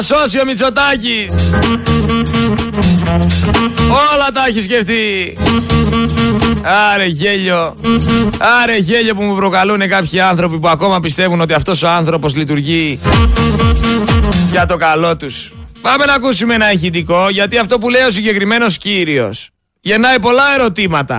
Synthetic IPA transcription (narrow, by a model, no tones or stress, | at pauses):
so̞sio̞mit͡so̞t̪ɐcis | olɐt̪ɐeçisce̞ft̪i | ɐɾe̞ʝeʎo̞ | ɐɾe̞ʝe̞ʎo̞pumupɾo̞kɐlune̞kɐpçiɐnθɾo̞pipuɐko̞mɐpist̪e̞vuno̞t̪iɐft̪o̞so̞ɐnθɾo̞po̞zlit̪uɾʝi | ʝɐt̪o̞kɐlo̞t̪uspɐme̞nɐkusumenɐeçid̪iko̞ʝɐt̪iɐft̪o̞pule̞jo̞s̬iɲɟe̞kɾime̞no̞sciɾio̞̰s | ʝe̞nɐipo̞lɐe̞ɾo̞t̪imɐt̪ɐ̰